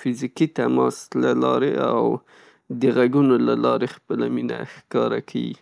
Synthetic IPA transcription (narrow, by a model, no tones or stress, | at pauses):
fɪzikit̪amɑslalɑɾeaw | d̪əɣaɡunolalɑɾexpəlaminaxkɑɾakʰawḭ